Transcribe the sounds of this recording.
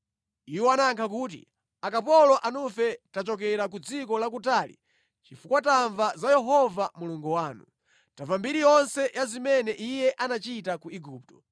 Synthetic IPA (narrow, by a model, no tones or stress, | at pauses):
iwanaŋkʰakuːt̬ḭ | akapɔlɔʔanufɛtat͡ʃɔkɛɾak̬ud͡zikɔlak̬utaːlḭ | t͡ʃifukwataɱvazajɛɦɔvamuluŋɡuwaːnu | tavambiɾijɔnsɛjʔazimɛnɛʔijɛʔanat͡ʃitakuiɡuːp̚tɔ̥